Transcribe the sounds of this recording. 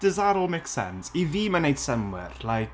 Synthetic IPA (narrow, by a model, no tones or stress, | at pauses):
d̥əzaɾɔlˠmeksɛ̰nsiðiːmanejd̥səmwɪ̰rlajk